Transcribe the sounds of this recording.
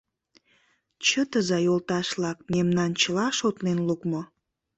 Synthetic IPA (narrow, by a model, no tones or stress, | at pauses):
t͡ɕət̪əzɑjolt̪ɑʃlɑk̚memnɑnt͡ɕəlɑʃot̪lenlukmo